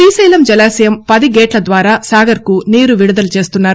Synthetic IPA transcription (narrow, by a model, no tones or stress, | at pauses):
iːsɐjlɐmd͡ʒɐlaːsijɐmpɐd̪iɡeːʈlɐd̪ʋaːɾaːsaːɡɐɾkuniːɾuʋiɽud̪ɐlut͡ʃe̞ːst̪unːaːɾ